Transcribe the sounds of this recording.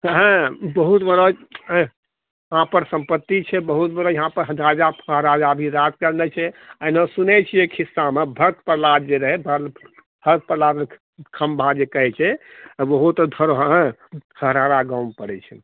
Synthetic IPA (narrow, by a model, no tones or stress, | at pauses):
ɦɛ̃bəɦut̪bəɾə | ɦãpəɾsə̃mpət̪ːit͡ʃʰɛbəɦut̪bəɾəjəɦãpəɾɦəd̪ɾad͡ʒaəɦɾad͡ʒabʱiɾad̪kəɾnɛt͡ʃʰɛənesunɛt͡ʃʰiekʰisːamebʱəɾt̪̚pəɾlad̪d͡ʒeɾəɦɛbə | bʱət̪̚pəɾlad̪e | kʰəmbʱad͡ʒekəɦɛt͡ʃʰɛbəɦut̪d̪ʱəɾɦɦhəɦɾaɾaɡampəɽɛt͡ʃʰɛ